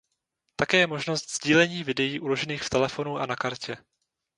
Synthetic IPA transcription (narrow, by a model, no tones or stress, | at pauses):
t̪akɛːjɛmo̞ʒnost̪z̥ɟiːlɛɲiːvɪdɛjiːʔulo̞ʒɛniːxft̪ɛlɛfo̞nuʔanakaɾcɛ